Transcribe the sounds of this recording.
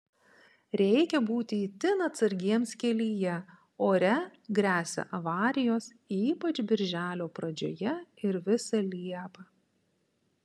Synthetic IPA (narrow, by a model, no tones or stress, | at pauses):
ɾʲɛɪkʲɛbuːt̪ʲɪit̪ʲɪnɐt̪sɐɾʲɡʲiɛmskʲɛlʲiːjɛ | oːɾʲɛɡɾʲæːsʲɛ̰ʔɐʋɑːɾʲɪjoːs | iːpɐt͡ʃbʲɪɾʲʒʲæːlʲoːpɾɐd͡ʒʲo̰ːjɛɪɾʋʲɪsɐlʲiɛpɐ